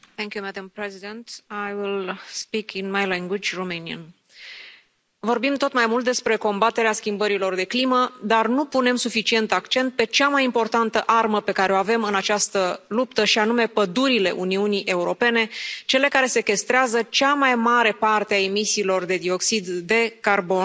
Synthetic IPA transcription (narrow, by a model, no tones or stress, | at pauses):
θɛ̃ŋkjumæd̪ə̃mpɹɛzid̪ẽnt̪ajwilspikʰinmajlɛ̃ŋɡwid͡ʒromeniə̰n | vo̞rbimt̪o̞t̪majmult̪̚d̪e̞spɾe̞ko̞mbat̪e̞ɾeaskʲimbəɾilo̞rd̪e̞kliməd̪arnupune̞msufit͡ʃie̞nt̪akt͡ʃe̞nt̪̚pe̞t͡ʃamajimpo̞rt̪ant̪əʔarməpe̞kaɾeoave̞mɨnat͡ʃast̪əlupt̪əʃianume̞pəd̪uɾile̞ʔuniuniʔe̞uɾo̞pe̞ne̞t͡ʃe̞le̞kaɾe̞se̞kʲe̞st̪ɾeazət͡ʃamajmaɾe̞part̪eae̞misiːlo̞rd̪e̞d̪io̞ksid̪ːe̞karbo̞n